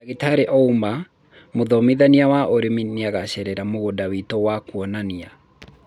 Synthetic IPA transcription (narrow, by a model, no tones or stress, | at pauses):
aɣetaɾeʔɔumba | moðɔmiðaniawaʔoɾemineaɣaɕɛɾɛɾamoɣodawitowakuɔnania